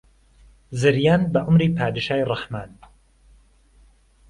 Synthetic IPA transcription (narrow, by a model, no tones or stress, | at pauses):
zɨɾjaːnbɐʔʊmɾiːpʰaːd̪ɨʃaːjrˤɑħmaːn